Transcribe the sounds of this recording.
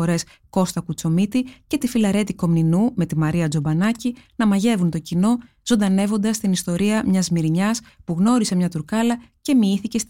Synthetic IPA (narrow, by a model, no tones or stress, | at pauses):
o̞ɾe̞s | ko̞st̪ɐkut͡so̞mit̪ice̞t̪ifilɐɾe̞t̪iko̞mninume̞t̪imɐɾiɐd͡zo̞bɐnɐcinɐmɐʝe̞vunt̪o̞cino̞ | zo̞nd̪ɐne̞vo̞nd̪ɐst̪inist̪o̞ɾiɐmɲɐzmiɾiɲɐspuɣno̞ɾise̞mɲɐt̪uɾkɐlɐce̞miiθice̞s